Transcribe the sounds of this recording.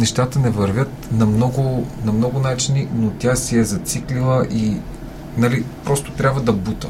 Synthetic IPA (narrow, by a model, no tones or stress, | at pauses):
nɛʃt̪at̪ənɛvɐɾvʲət̪nɐmnɔɡʊnɐmnɔɡʊnat͡ʃininot̪ʲasiɛzɐt̪siklilˠəʔi | nalipɾɔst̪o̥t̪ɾʲabvəd̪ɐbut̪ə̰